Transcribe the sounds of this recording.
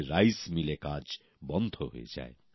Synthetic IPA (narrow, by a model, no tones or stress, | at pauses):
ɾajsmilekad͡ʑ | bɔnd̪ʱoɦo̰ḛd͡ʑa̰e